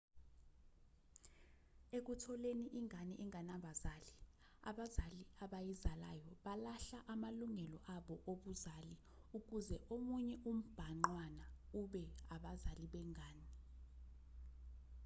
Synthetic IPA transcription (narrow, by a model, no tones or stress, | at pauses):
ek̬utʰɔleniʔiŋʱanɛʔɛŋʱanaɓazaːli | a̰ɓazaliaɓajizala̰jɔɓalaɬaʔamaluŋɛlɔʔaɓɔʔoɓuzali | uk̬uzɛʔomuɲɛʔum̩b̥ʱaŋ͡ǃwanauɓɛaɓazaliɓɛŋʱaːni